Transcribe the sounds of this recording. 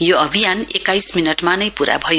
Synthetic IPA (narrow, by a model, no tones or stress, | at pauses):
joʌbʱijanekːajsminʌʈmanʌjpuɾa̰bʱʌjo